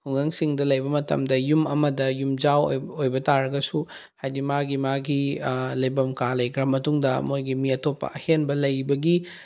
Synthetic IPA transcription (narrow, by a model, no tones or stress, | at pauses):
hʰuŋɡɐŋsiŋdɐlɐjbɐmɐtɐ̰mdɐjumɐmɐdɐjumd͡ʒawojbɐtaɾɐɡɐsu | hajdimaɡimaɡilɐjbɐmkalɐjkɾɐmɐtuŋdɐmojɡimiɐtopːɐ̰ɐhenbɐlɐjbɐɡi